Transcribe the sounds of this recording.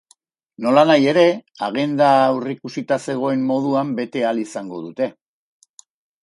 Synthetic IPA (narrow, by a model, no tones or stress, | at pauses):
no̞lanaje̞ɾe̞aɣe̞nd̪aːwrikusit̪ase̞ɣ̞o̞e̞mːo̞ð̞uambe̞t̪e̞alisaŋɡo̞ðut̪e̞